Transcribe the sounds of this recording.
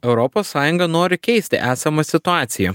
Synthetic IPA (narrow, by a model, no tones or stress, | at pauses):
ɛʊɾɔpoːsːɑːjʊŋɡɐnoːɾʲɪkʲɛɪsʲt̪ʲɪ̰ʔæːsʲɐmɐsʲɪt̪ʊɑːt̪sʲɪjɛ